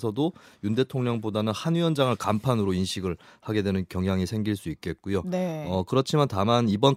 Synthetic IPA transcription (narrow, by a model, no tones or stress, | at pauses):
sʰʌdojunde̞tʰoŋɲʌŋbodanɯnhanɥiʌnd͡ʑaŋɯɭkampʰanɯɾoinɕʰiɡɯɭhaɡe̞dwenɯnkjʌŋɦjaŋisʰe̞ŋɡiɭs͈uit̚k͈e̞t̚k͈ujoneʌkɯɾʌt͡ɕʰimantamanibʌn